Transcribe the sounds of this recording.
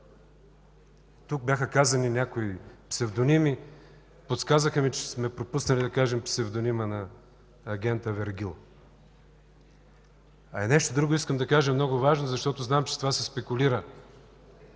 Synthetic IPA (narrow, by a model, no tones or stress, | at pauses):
t̪uk̚bʲjaxəkazɐninʲakoipsɛvd̪onimi | pot̪skazəxəmit͡ʃɛ̥smɛpɾopusnɐlʲid̪ɐkaʒɛmpsɛvd̪onimənɐː | ɡʲɛnt̪əvɛɾɡʲilˠ | ɐɛnɛʃt̪od̪ɾuɡoiskəmd̪ɐkaʒɐmnɔɡʊvaʒnozɐʃt̪ɔt̪ʊznamt͡ʃɛ̥t̪ovasɛspɛkʊliɾə